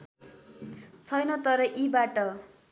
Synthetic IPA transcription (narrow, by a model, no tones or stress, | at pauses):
t͡sʰʌjnʌt̪ʌɾʌʔibaʈʌ